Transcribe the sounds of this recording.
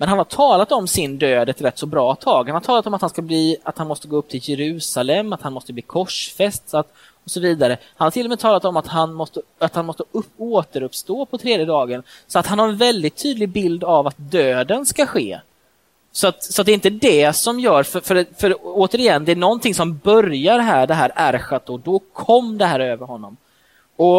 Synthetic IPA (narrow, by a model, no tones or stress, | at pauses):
mɛnhanhaʈʰɑːlat̪ɔmsɪnd̪øːd̪ɛt̪ɾɛt̪ːsɔbɾɑːt̪ʰɑːɡhanhaɾʈʰtʰɑːlat̪ɔmat̪hanskabliːat̪hanmɔst̪əɡoːɵp̚ːt̪ʰɪljɛɾʉ̟ːsalɛmːat̪hanmɔst̪əbliːkʰɔʂfɛst̪sat̪ | ɔsɔviːd̪aɾəhanhaɾtʰɪlːɔmɛːt̪ʰɑːlat̪ɔmat̪hanmɔst̪əat̪hanmɔst̪əɵoːt̪əɾɵpst̪oːpʰɔt̪ʰɾeːd̪jəd̪ɑːɡən | sɔat̪hanhaɾɛnvɛld̪ɪt̪ʰːyːd̪lɪɡ̚bɪld̪avat̪̚d̪øːd̪ənskaɧḛː | sɔat̪sɔat̪̚d̪ɛɪnt̪əd̪ɛsɔmjœːɾfœɾfœɾfœɾoːt̪əɾɪjɛnːd̪ɛænɔnt̪ʰɪŋsɔmbœɾjaɾɦæːɖɛɦæːɾæɾɧat̪̚ɔd̪ɔkʰɔmːd̪ɛɦæːɾøːvəɾɦɔnːɔm | ɔ